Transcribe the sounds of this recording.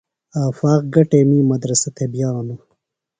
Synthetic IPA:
aːfaːq̚ɡɐʈeːmiːmɐd̪ɾɐsɐt̪ʰebjaːnɐ

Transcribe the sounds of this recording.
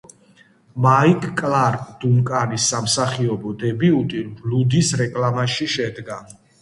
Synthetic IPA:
maikʼkʼlaɾʼd̪̥umkʼaɾisːamsaχiɔbɔd̪ɛbiut̪ʼiblud̪isɾɛkʼlamaʃiʃɛd̪ɡa

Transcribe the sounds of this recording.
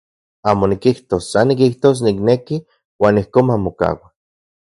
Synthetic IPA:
aːmonikiht̪osːanːikiht̪os̬nikneki | waːnihkoːmamoka̰ːwa

